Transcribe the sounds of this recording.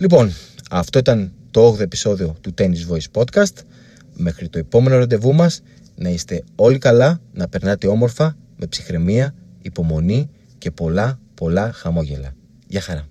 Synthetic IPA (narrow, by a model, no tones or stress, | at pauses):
lipo̞nɐft̪o̞it̪ɐnt̪o̞oɣðoe̞pi̥so̞ðio̞t̪ut̪e̞nizvo̞ispo̞t̪kɐst̪ | me̞xɾit̪o̞e̞po̞me̞no̞ɾɐnd̪e̞vumɐs | nɐist̪e̞o̞likɐlɐnɐpe̞ɾnɐt̪e̞o̞mo̞ɾfɐ | me̞psixɾe̞miɐ | ipo̞mo̞ni | ce̞po̞lɐpo̞lɐxɐmo̞ʝe̞̰lɐ̰ | jɐxɐɾɐ